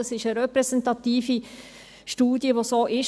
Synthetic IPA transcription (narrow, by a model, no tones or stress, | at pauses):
əsɪʃəɾɛpɾɛsɛntɑt̪iːfi | ʃtuːdjəʋosoːʔɪʃ